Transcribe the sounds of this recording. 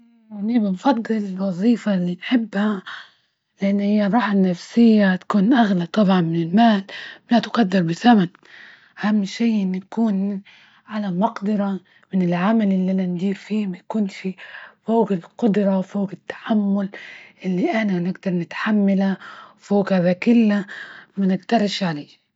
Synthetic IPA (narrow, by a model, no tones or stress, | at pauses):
nibɪnfɑd̪ˤːɨlɪlwɑzˤiːfalːinħɪbːha | lɪʔanːhɪjːaˤɑːħanafsɪjːat̪akuːnʔaɣlat̪ˤɑbʕɑnmɪnɪlmaːlmat̪qɑd̪ːɑɾˤbɪzaman | ʔahamːʃiːʔɪnːikuːn | ʕalamɑqd̪ɑɾˤɑ | mɪnɪlʕamalʔɪlːianand̪iːɾfiːmajkuːnʃifoːɡɪlqʊd̪ɾˤɑwfoːɡɪt̪ːḁħamːʊlʔɪlːiʔananɪɡd̪ɑɾˤnɪt̪ħamːalawfoːɡhaðakɪlːamanɪɡt̪ɑɾˤʃʕaleː